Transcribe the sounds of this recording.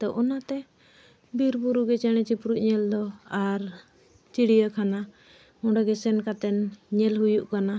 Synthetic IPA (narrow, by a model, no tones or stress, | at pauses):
t̪ɔʔɔnat̪ɛ | biɾbuɾuɡɛt͡ʃɛɽ̃ɛt͡ʃipɾuʔ̚ɲɛld̪ɔaɾ | t͡ʃiɽijəkʰana | ɔ̃ɖaɡɛsɛnkat̪ɛnɲɛlɦujuʔkana